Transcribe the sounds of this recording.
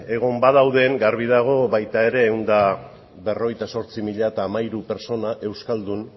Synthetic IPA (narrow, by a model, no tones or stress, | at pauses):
e̞ɣ̞o̞mbaðawðe̞ŋɡarβiðaɣ̞o̞βajt̪ae̞ɾe̞ːwnd̪a | βe̞ro̞ɣ̞ejt̪aso̞ɾt͡simiʎaet̪aːmaiɾupe̞ɾso̞naʔe̞wskald̪un